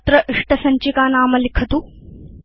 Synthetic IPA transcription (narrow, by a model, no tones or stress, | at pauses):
t̪ɾɐʔiʂʈɐsɐɲt͡ʃikaːnaːmɐlikʰɐt̪u